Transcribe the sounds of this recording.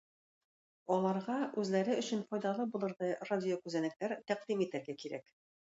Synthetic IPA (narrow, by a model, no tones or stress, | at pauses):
ɒlˠɑɾʁɑʔʉzlæɾɘɵ̆ɕɘ̆nfɒjd̪ɑlˠɤbulˠɤ̆ɾðɤjradʲɪjokʉzænɘ̆k̚t̪æɾt̪æqd̪imit̪æɾɡækiɾæk